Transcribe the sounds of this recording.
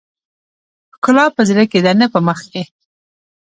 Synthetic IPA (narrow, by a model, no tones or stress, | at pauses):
kʊlɑpəzɾəked̪anəpəməxke